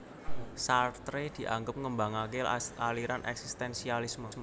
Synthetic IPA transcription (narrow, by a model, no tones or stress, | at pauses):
sart̪ɾed̪̥i̤ʔa̰ŋɡʊp̚ŋəmbaŋak̬elaliɾanʔɛ̰ksist̪ɛnsialisməsmo